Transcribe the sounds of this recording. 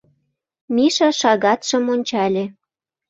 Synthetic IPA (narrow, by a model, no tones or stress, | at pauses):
miʃɑʃɑɣɑt̪ʃə̆monʲt͡ɕɑlʲe